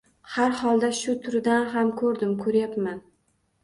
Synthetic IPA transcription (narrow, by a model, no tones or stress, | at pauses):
haɾhɒlˠd̪aʃʊt̪ʰʊɾɪd̪anɦamkʰɵɾd̪ɪmkʰɵɾjapman